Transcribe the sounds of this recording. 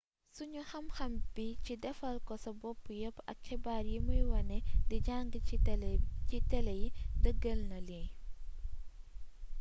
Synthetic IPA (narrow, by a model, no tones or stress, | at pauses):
suɲɔxɐmxɐmbicidɛfɐlkɔsɐbɔpːujɐpɐ̰kxɛbaːrjimujwɐnɛdɛɟaŋɡə | citɛlɛjidəɡːəlnɐljɛj